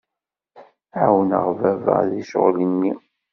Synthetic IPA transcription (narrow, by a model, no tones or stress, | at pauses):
awənə̰ʁvævə̰ʁðiʃʁlənːi